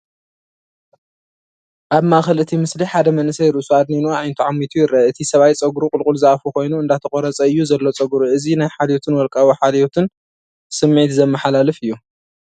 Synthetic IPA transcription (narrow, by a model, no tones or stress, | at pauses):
ʔaβmaxɐlɨt̪ʰimɨsliħad̪ɐmɐnɨsɐjɪɾusuad̪ninuaajnt̪ʰuʕamːit̪ʰujɪɾɐɨt̪ʰisɐβajt͡sʼɐɡɾukʼʊlkʼʊlzɨafukʰo̞jnuɨnd̪at̪ʰɐkʼoɾɐt͡sʼɐɨjːuzɐlːo̞t͡sʼɐɡɾuʔɨzinajħad̪jot̪ʰɨnwɔlkʼawiħad̪jot̪ʰɨn | sɨmːit̪zɐmːɐħalalɨfɨjːu